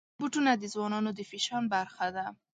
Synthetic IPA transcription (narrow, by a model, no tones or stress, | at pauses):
buʈunad̪ɪzwɔnɔnod̪ɪfiʃɑnbaɾxad̪a